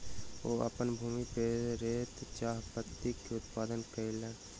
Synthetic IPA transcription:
oːʔɐ̰pənbʱuːmipeːɾɾeːt̪t͡ʃaːɦpət̪ːikːeʊt̪paːd̪ənkəileːn

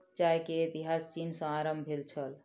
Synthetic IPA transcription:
t͡ʃaekeːt̪iɦast͡ʃinsə̃aɾəmbbʱelt͡ʃʰəl

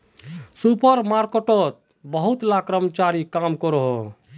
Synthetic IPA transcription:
supəɾmaɾkeʈot̪̚ | bəɦut̪lakɾəmt͡ʃaɾikamkɔɾoɦo

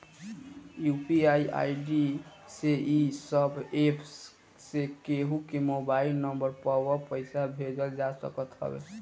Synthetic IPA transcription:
jupiaiʔa̰iɖiseʔisəbʱepʰs | sekeɦukemobailnəmbəɾpəwəpəɪsabʱed͡ʒəld͡ʒasə̰kət̪ɦə̰bḛ

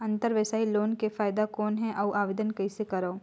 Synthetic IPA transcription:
ɐ̃nt̪əɾʋesaːiloːnkefaːɪd̪akɔːnɦɛ̃ʔɐwʔaːʋɪd̪ənkɐɪsekɐɾoː

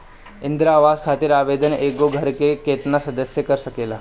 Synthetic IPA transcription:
ind̪ɾaʋaskʰat̪iːɾaʋed̪ənekoɡʱəɾkeket̪nasɐd̪əsjəkəɾʃəkela

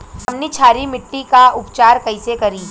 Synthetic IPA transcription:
ɦɐmnit͡ʃʰaːɾimɪʈːikaʊpt͡ʃaːɾkɐɪsekɐɾiː

